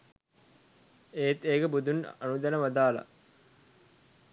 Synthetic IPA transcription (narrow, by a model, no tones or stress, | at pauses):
eːt̪eːɡəbud̪unɐnud̪ɐnəʋɐd̪aːlɐ̰